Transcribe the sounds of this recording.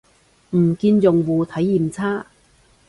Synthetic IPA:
m̩˨˩kiː˧njʊ˨˩ŋwuː˨˧t̪ʰɐ˨˥jːi˨˩mt͡sʰaː˥˩

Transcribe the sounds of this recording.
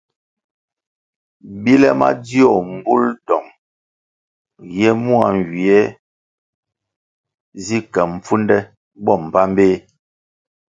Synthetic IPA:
bi˦lɛ˦ma̰˦di˦ɔ˨m˨bu˦ldɔ˨ŋ | jɛ˦mu˦a̰˨ŋ˨ɡi˨ɛ˦ | zi˦kɛ˨m̩˨p͡fu˦ndɛ˦ | bɔ˦˨m̩˨pa˦m˦beː˦

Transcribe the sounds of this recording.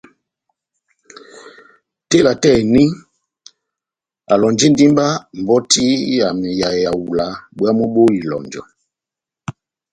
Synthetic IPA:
te˦˨la˨tɛ˦˨ni˦ | a˨lɔ˨nd͡ʒi˦n˦di˦mba˦m˨bɔ˦ti˦ja˨mɛ˨ja˨e˨ja˨wu˨la˨ɓwa˦mo˦ɓo˦i˨lɔ̰˨nd͡ʒɔ̰˨

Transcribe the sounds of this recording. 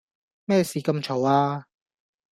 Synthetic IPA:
mɛː˥˩siː˨kɐ˧mt͡ʃʰo˨˥waː˧

